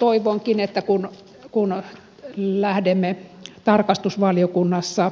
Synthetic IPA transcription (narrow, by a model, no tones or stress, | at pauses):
t̪oiʋoŋkinet̪ːækun | kun | læhdemːet̪ɑrkɑst̪usʋɑliokunːɑsːɑ